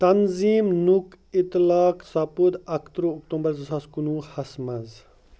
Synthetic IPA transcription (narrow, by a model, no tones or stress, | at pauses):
t̪ɐnziːmnukit̪lɑːksɐpud̪ɐkʰt̪ɾoːkt̪õmbɐɾzɐsaːskunuːhɐsmɐz